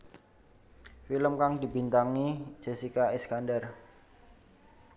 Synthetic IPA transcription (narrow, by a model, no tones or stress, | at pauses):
filəmkaŋdibint̪aŋi̥d͡ʒ̥e̤sikaɛskandər